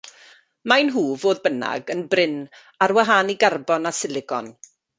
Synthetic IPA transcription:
majnɦuːvoːðbəna̰ɡənbrɪn | arwaɦaːniɡarbɔnasɪlɪɡɔ̰n

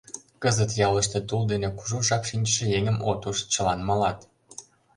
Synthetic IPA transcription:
kəzət̪jɑləʃt̪et̪uld̪enekuʒuʒɑkʃinʲt͡ɕə̥ʃĕjeŋʲəmot̪uʃt͡ɕəlɑnmɑlɑt̪

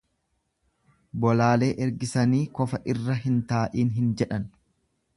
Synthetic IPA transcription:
bɔlaːle̞ːʔɛɾɡɪsɐniːkɔfɐʔɪrːɐɦɪnt̪aːʔiːnɦɪnd͡ʒɛᶑɐn

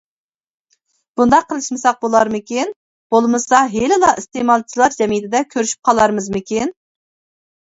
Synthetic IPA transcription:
b̥und̪ɑqʰːəlˠɨʃmɨsɑq̚bolˠɑɾmɪkʲin | b̥olˠmɨsɑɦelɪlˠɑʔist̪emɑlˠt͡ʃʰilˠɑɾd͡ʒɛmijt̪ʰɪd̪ɛkʲʰøɾyʃy̥p̚qʰɑlˠɑɾmɨzmɪkʲʰin

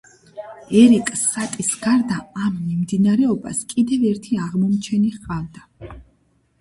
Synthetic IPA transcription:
ɛɾikʼsːat̪ʼisɡ̥aɾd̪aːmːimd̪inaɾɛɔba̰skʼid̪ɛvɛɾt̪ʰiaʁmɔmt͡ʃʰɛniʁqʼavd̪a

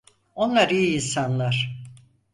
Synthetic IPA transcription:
o̞nlˠaɾijinsanlˠaɾ̥

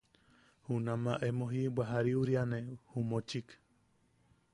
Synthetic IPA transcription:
hunãmãʔemõɦibʷaɦaɾiuɾianẽhumõt͡ʃik

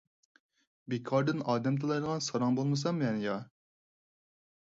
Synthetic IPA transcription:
bekʰɑɾd̪ɪnɑːd̪ɛmt̪ʰɨlˠɑjd̪əʁɑnsɑɾɑŋbolˠmɨs̬ɑmmɛnjɑ

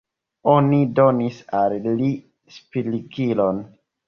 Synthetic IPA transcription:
onido̞nisalːi | spiliɡilo̞n

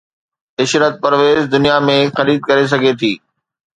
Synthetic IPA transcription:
ɪʃɾət̪̚pɐɾʋeːzd̪ʊnijamẽxɐɾiːd̪̚kɐɾes̬ɐɡʱet̪ʰiː

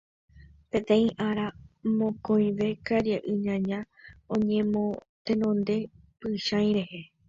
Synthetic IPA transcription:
pẽ̞t̪ẽ̞ĩʔaɾamõ̞kõj̃ʋe̞kaɾjaʔɨɲãɲã | õɲẽmõ | t̪ẽ̞nõ̞nd̪e̞ | pɨʃãj̃ɾe̞he̞

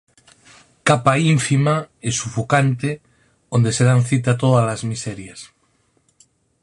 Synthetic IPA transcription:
kapaiɱfimaesufukant̪e | ond̪eseð̞anθit̪̬at̪oðalazmiseɾjas

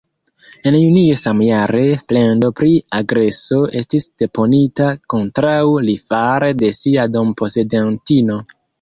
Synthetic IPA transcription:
e̞njuniesamjaɾe̞ple̞ndo̞pɾiaɡɾe̞so̞e̞stisd̥e̞po̞nitako̞ntɾawlifaɾede̞siado̞mpo̞se̞dentino̞

